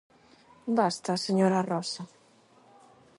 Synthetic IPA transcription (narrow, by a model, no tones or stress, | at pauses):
bast̪aseɲoɾarɔsa